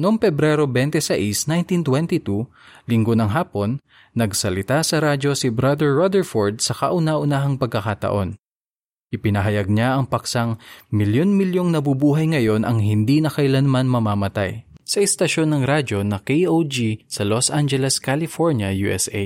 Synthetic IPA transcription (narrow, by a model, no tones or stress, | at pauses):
noŋpɛbɾɛɾo̞bɛnt̪ɛsɐʔisnajnt̪int̪wɛnt̪it̪u | lɪŋɡo̞nɐŋɦaːpo̞nː | ɐɡsɐlɪt̪asɐɾad͡ʒo̞sibɾad̪ɛɹːod̪ɛɹfoɹd̪̚sɐkɐʔʊnaʔʊnaɦɐŋpɐɡ̚kɐkaːt̪ɐ̰ʔo̞n | ʔɪpɪnɐɦɐjɐɡ̚ɲaʔɐŋpɐksɐŋmɪljo̞nmɪljo̞ŋnɐbubuːɦɐjŋɐjo̞nʔɐŋɦɪnd̪inɐkɐʔɪlanmanmɐmaːmɐt̪a̰jsɐɛst̪ɐʃo̞nːɐŋɾad͡ʒo̞nɐkejowd͡ʒisɐlosʔand͡ʒɛlɛskalɪfoɹnjɐjuʔɛsʔḛ